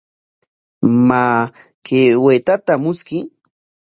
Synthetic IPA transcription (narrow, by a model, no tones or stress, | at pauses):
maː | keweːt̪at̪amʊskɪ